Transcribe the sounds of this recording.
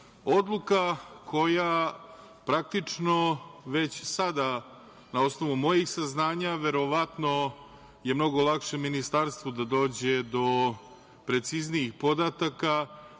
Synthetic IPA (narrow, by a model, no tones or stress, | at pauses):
od̪lˠukakʰo̞ja | pɾak̚t̪it͡ʂno̞ʋe̞t͡ɕsad̪a | nao̞sno̞ʋumo̞jixsaznaːɲaʋe̞ɾo̞ʋat̪no̞ | je̞mno̞ɡolˠakʃemːinist̪aɾst̪vod̪ad̪o̞ːd͡ʑed̪o̞ | pɾe̞t̪sizniixpo̞d̪at̪aka